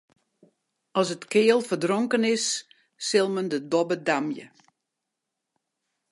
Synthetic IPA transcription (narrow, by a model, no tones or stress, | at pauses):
ɔsətkɪəlˠfərdroŋkənɪsː | ɪlˠməndədɔbədamjə̰